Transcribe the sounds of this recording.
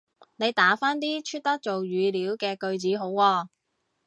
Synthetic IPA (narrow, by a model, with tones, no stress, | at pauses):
ne˨˧jt̪aː˨˥faː˥nt̪iː˥t͡ʃʰyː˥t̚t̪ɐ˥k̚t͡so˨wɥyː˨˧liː˨˥wkɛː˧kɵ˧ɥt͡siː˨˥ɦo˨˥wːɔː˧